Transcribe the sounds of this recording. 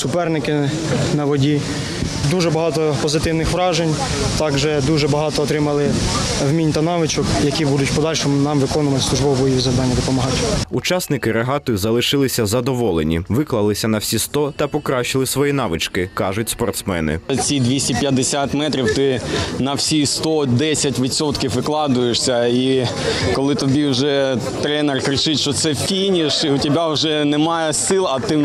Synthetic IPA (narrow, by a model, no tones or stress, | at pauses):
sʊpɛrnɪkɪ | nɐʋɔdʲi | d̪uʒɛbɐɦɑt̪ɔpɔzɪt̪ɪwnɪxʋɾɑʒenʲ | t̪ɑɡʒɛd̪uʒɛbɐɦɑt̪ɔːt̪ɾɪmɐlˠɪ | wmʲinʲt̪ɐnɑʋɪt͡ʃɔkjɐkʲibud̪ʊtʲpɔd̪ɑlʲʃɔmʊnɑmʋɪkɔnʊʋɐt̪ɪ̥slˠʊʒbɔwɔbɔjiʋizɐwd̪ɑnʲːɐd̪ɔpɔmɐɦɑtʲut͡ʃɑsnɪkɪɾeɦɑt̪ɔjzɐlˠɪʃɪlˠɪsʲɐzɐd̪ɔʋɔlˠenʲḭʋɪklˠɐlˠɪsʲɐnɐwsʲist̪ɔt̪ɐpɔkɾɑʃɪlˠɪsʋɔjinɑʋɪt͡ʃkɪkɑʒʊtʲspɔrt̪smɛ̰nɪ̰t͡sʲid̪ʲʋʲisʲtʲipʲjɐd̪ːesʲat̪mɛt̪ɾʲiwt̪ɪnɐwsʲist̪ɔd̪ɛsʲɐtʲʋʲit̪sɔt̪kʲiwʋɪklˠɑd̪ʊjeʂsʲɐi | kɔlˠɪt̪ɔbʲiwʒɛ | t̪ɾɛnɛrkɾʲɪt͡ʃɪtʲʃt͡ʃɔt̪sɛfʲijnʲiʃiʊtʲibʲawʒɛnɛmɑjɛsɪlˠɐt̪ɪ